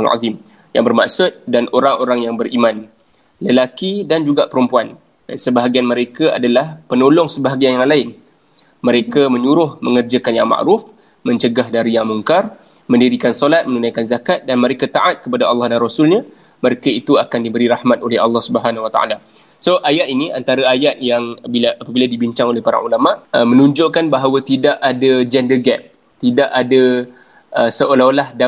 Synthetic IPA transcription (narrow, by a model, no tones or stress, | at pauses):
a̰zim | jaŋbərma̰ʔsʊt̪̚danʔoɾaŋoɾaŋjaŋbərimãn | ləlakidand͡ʒuɡaʔpəɾumpuan | səbaɦaɡianməɾekaa̰dalahpənolɔŋsəbaɦaɡianjaŋlaɪn | məɾekamə̃ɲuɾʊhmə̃ŋərd͡ʒəkanjaŋma̰ʔɾuf | mə̃ɲt͡ʃəɡahdaɾijaŋmuŋkar | məndiɾikansolat̪̚mə̃ŋunajkanzakat̪̚danməɾekat̪aʔat̪̚kəpadaɑlːɑhdanrosʊlɲã | məɾekait̪uakandibəɾiɾahmat̪olɛhɑ̰lːɑhsubəɦanwat̪a̰a̰la | soʔajat̪iniʔa̰nt̪aɾaajat̪̚jaŋbilaʔapabiladibiɲt͡ʃaŋolɛhpaɾa̰ŋʔulamaʔəmənuɲd͡ʒʊʔkanbaɦawət̪idaʔadad͡ʒɛndəɡɛp̚ | t̪idaʔada | ʔəsəʔolalahda